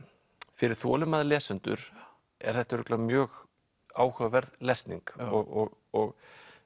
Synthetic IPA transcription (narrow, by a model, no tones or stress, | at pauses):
fɪɾɪɾ̥θɔ̰ːlʏmaðlɛːsʏnt̪ʏ̰ɾ̥ | ɛ̰ɾ̥θɛht̪aɾʏk̪lamjœːɣ | aːwhœvvɛɾðlɛst̪niŋkɔɣɔɣ | ɔɣ